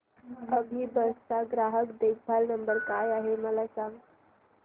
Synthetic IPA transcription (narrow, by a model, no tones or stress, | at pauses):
əbʱiːbəstaɡɾaɦəkd̪ek̚bʱalnəmbəɾkajaɦeməlasãŋɡ